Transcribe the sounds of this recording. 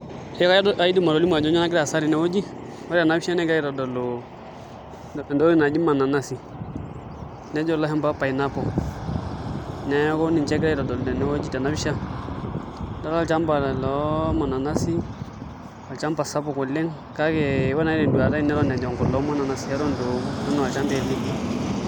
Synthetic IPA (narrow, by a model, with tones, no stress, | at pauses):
ka˦a˨i˦di˦ma˨ɾo˨li˦m˦a˨d͡ʒɔ˦ɲa˦na˦ɡɪ˦a˨sa˦ɾi˨nɛ˦o˦d͡ʒi˦ | wa˦ɾa˨na˦bi˦ʃa˦nɛ˦ɡa˦ji˦ɾɔ˨dɔ˨lo˨ | ndo˦i˦˨na˨d͡ʒi˦ma˨na˨na˦si˨ | nɛ˦d͡ʒɔ˦lɔ˦ɦɛ˦mpa˦pa˨i˨na˦pɔ˨ | nɛ˦ko˦ni˨nt͡ʃɛ˦kɾa˦i˦ɾɔ˨dɔ˨ldɛ˨nɛ˦wo˦d͡ʒi˦ta˨na˦bi˦ʃa˦ | da˦la˨t͡ʃa˦mba˨lɔ˨˦ma˨na˨na˦si˦ | a˨lt͡ʃa˦mba˨sa˦pɔ˦˨ku˨le˦ŋ | ka˦ke˨˦wa˦na˨i˦nɛ˨du˨a˨ɾa˦i˦nɛ˦ɾɔ˦˨nɛ˨d͡ʒɔ˨ŋkɔ˨lɔ˨˦ma˦na˨na˨si˨ja˦ɾo˦ndo˨˦dɔ˦nɔ˨wa˨lt͡ʃa˦mbe˦˨li˦